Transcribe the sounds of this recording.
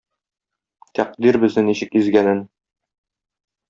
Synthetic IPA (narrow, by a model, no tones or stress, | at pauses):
t̪ʰæq̚d̪iɾbɘ̆znɘniɕɘkizɡænɘn